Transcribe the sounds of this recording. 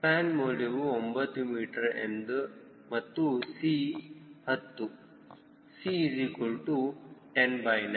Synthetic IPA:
paːnmoːleʋuombɐt̪ːumiːʈɐɾḛnd̪u | mɐt̪ːusiːhɐt̪ːu | sizikulʈuʈenbɐjnɐ

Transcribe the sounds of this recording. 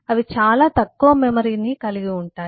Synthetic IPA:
ɐʋit͡ʃaːlaːt̪ɐkːuʋɐmemɐɾiːnikɐliɡiuɳʈaːji

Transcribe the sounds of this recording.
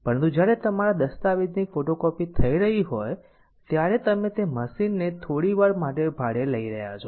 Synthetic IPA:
pəɾənt̪ud͡ʒjaɾet̪əmaɾad̪əst̪aʋid̪nifoʈokɔpit̪ʰəiɾəɦiɦoj | t̪jaɾet̪əmet̪eməsinːet̪ʰoɽiʋaɾmaʈ̬ebʱaɽeləiɾəɦja̰t͡ʃʰo

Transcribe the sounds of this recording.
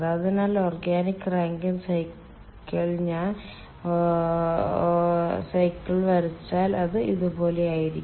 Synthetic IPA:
ðaðinaːloːrɡaːnikːraːŋɡɐmsɐjkː | ɐɭɲaːn | sɐjkːɐɭʋɐɾit͡ɕːaːlɐðɨiðubo̞ːle̞jaːjiɾikː

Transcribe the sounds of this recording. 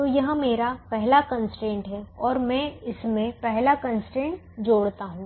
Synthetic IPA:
t̪oːjɐɦmeːɾapɛɦlakənsʈẽːɳʈɦɛɔːɾmɛ̃ːɪsmẽpɛɦlakɐ̃nsʈẽːɳʈ | d͡ʒoːɽt̪aɦũː

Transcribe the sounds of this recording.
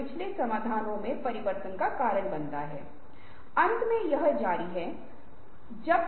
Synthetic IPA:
pɪt͡ʃʰlesɐmaːd̪ʱaːnõmẽpɐɾɪʋəɾt̪ənkakaːɾəɽbɐ̃nt̪aɦɛ̰ː | ɐ̃nt̪mẽjɐɦd͡ʒaːɾiɦɛː | d͡ʒɐb

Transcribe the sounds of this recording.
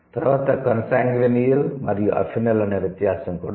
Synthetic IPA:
t̪rɐʋɐt̪ːɐkɐnsaːŋɡɾɐnijilmɐrijuʔɐ̰fʰinɐlɐnɐʋjet̪jaːsɐmkoɽ

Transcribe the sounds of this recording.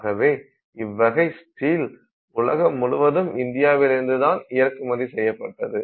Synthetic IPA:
ɣɐʋeː | ɪʋːɐɣɐɪsʈiːl | ʊɭɐɣɐmʊɻʊʋɐðɯmɪnd̪ɪjaːʋɪlɪɾɯnd̪ɯðaːnɪjɐɾkɯmɐðisɛjːɐpːɐʈːɐðɯ

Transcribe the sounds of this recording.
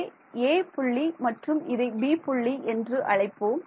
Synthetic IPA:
eːpʊɭːimɐʈrɯmɪðɐɪbiːpʊɭːiʔɛndrɯʔɐɭɐɪpːoːm

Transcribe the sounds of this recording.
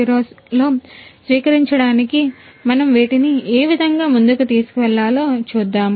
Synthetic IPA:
iɾoːs | lo̞ːsʋiːkɐɾiɲt͡ʃɐɽaːnikimɐnɐmʋeːʈinieːʋid̪ʱɐŋɡaːmund̪ukut̪iːsu̥kuʋɛɭːaːloːt͡ʃuːd̪ːaːm

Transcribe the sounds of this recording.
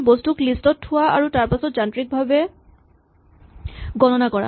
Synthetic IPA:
bostuklistɔtʰːuaa̰ɹutaɹpasɔt̚d͡ʒantɹik̚bʱabe | ɡɔnɔnakɔɹa̰

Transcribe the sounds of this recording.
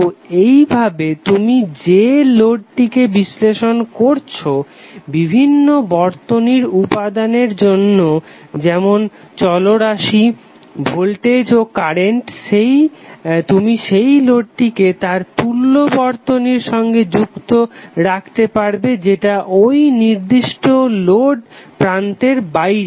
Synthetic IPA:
ejbʱabet̪umid͡ʑeloɖ̚ʈikebisleʃonkoɾt͡ɕʰo | bibʱinːobɔɾt̪oniɾupad̪aneɾd͡ʑonːo | d͡ʑɛmon | t͡ɕɔloɾaʃi | bʱolʈed͡ʑokaɾeɳʈʃejt̪umiʃejloɖ̚ʈiket̪aɾt̪ulːobɔɾt̪oniɾʃɔŋɡed͡ʑukt̪oɾakʰt̪epaɾbed͡ʑeʈaʔojniɾd̪iʃʈoloɖpɾant̪eɾbajɾe

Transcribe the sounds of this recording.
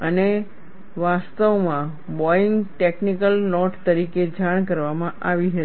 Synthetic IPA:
əne | ʋast̪əʋmã | bɔɪŋɡʈeknikəlnɔʈt̪əɾiked͡ʒaɳ̃kəɾʋamãʔaʋiɦə

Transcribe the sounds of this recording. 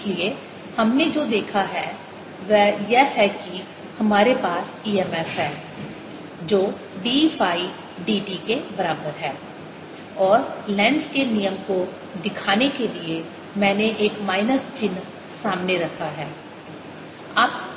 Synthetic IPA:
lie | hɐmned͡ʒoːd̪eːkʰaɦɛ | ʋɛjɛɦɛki | hɐmaːɾepaːsiːɛːmɛfɦɛː | d͡ʒoː | ɖiːfaːi | ɖiːɖikebɐɾaːbəɾɦɛː | ɔːɾlɛ̃ːɳskenijəmko | d̪ɪkʰaːnekelie | mɛ̃ːneʔeːkmaːɪnəst͡ʃɪn | saːmneɾɐkʰaɦɛː | aːp̚

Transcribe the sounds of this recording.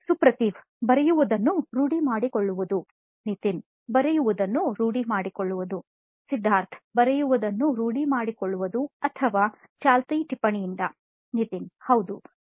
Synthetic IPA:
supɾɐt̪iːʋ | bɐɾɛjuʋud̪ɐnːuɾuːɽimaːɽikoɭːuʋud̪u | nit̪in | bɐɾɛjuʋud̪ɐnːuɾuːɽimaːɽikoɭːuʋud̪u | sid̪ʱːaːɾt̪ʰbɐɾɛjuʋud̪ɐnːuɾuːɽimaːɽikoɭːuʋud̪uɐt̪ʰɐʋaː | t͡ʃaːlt̪ɐjʈipːɐɳijind̪ɐ | nit̪inhɐwd̪u

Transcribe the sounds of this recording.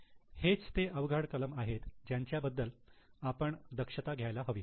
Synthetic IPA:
het͡st̪eʔəʋɡʱəɽkələmaɦet̪d͡ʑjaɲt͡ɕjabəd̪ːəlapəɳd̪əkʂət̪aɡʱjajlaɦəʋiː

